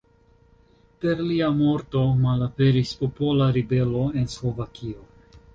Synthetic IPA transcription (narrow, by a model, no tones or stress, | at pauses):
pe̞ɾliamo̞ɾto̞malape̞ɾispo̞po̞laɾibe̞lo̞e̞nslo̞vakʰio̞